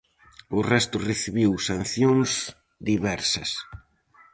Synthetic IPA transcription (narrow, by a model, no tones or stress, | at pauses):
ʊrɛst̪ʊreθiβiwsãn̟θjõŋz | d̪iβɛɾsɐ̰s